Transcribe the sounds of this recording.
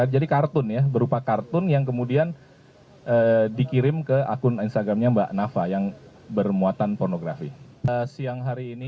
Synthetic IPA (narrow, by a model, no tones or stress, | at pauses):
ad͡ʒadikart̪ʊnjabəɾupakart̪ʊnjaŋk̬əmudian | ʔəːdikiɾɪmkəa̰kʊninst̪aɡɾamɲabaʔnafajaŋ | bərmuat̪anpornoɡɾafḭ | əsiaŋɦaɾiːni